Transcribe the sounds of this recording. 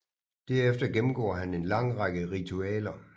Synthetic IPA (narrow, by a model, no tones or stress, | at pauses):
d̥æɐefd̥ɐɡ̥emm̩ɡ̥ɔ̰ːɐɦæne̝nlɑ̈ŋ̰ʁɑɡ̥əʁit͡sʰuɛ̰ːlɐ